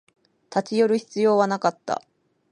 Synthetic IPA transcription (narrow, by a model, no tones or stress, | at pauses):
t̪at͡ɕijo̞ɾɯ̟çi̥t͡sɨjo̞ːβanakat̪ːa̰